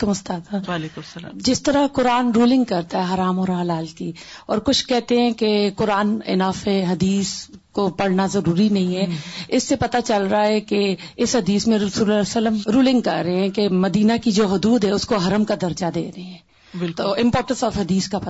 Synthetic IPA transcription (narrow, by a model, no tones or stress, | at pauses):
kʊmʊst̪aːt̪aea̰d͡ʒɪst̪əɾakʊɾaːnɾuːlɪ̃ŋɡ̚kɐɾt̪aɦɛɦaːɾaːmɔːɾɦɐlaːlk̪iɔ̰ːɾkʊt͡ʃʰkɛɦt̪eɦɛ̃kekʊɾaːnɪ̰naːfɦɛɦɐd̪iːskopɐɽ̤nazɐɾuːɾinɐɦĩɦɛːɪsːepɐt̪at͡ʃɐlɾaaɦɛkeɪsɦɐd̪iːsmẽɾɐsuːlɛsələmɾuːlɪ̃ŋɡ̚kɐ̰ɾːɐɦeɦɛ̃kemɐd̪iːnakid͡ʒoːɦʊd̪uːd̪ɦɛʊskoɦɐɾəmkad̪ɐɾd͡ʒad̪ḛːɾɐɦeɦɛ̃ː | ɪt̪oːɪ̃mpoːɾʈə̃nsɔːfɦɐd̪iːskap